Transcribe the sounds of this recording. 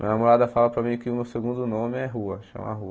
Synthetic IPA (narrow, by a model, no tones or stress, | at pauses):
mmḭ̃ɐnamoɾad̪ɐfalɐpɾɐmĩkɪʊmewseɡũnd̪ʊnõmɪɛɦuɐʃɐ̰̃m̰aɦuɐ